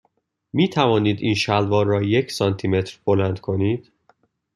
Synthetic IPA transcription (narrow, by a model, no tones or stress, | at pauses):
miːt̪ʰævɒːniːd̪iːnʃælvɒːrɒːje̞cʰsɒnt̪ʰime̞t̪ʰɾb̥o̞lænd̪̥kʰo̞niːd̪̥